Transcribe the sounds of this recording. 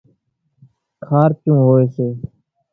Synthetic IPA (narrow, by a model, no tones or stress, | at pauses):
kʰaːɾt͡ʃũːɦoːeːseː